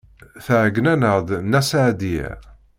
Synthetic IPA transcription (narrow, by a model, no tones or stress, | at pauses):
θəʕɡnænəʁðnæsaʕd̪ḭ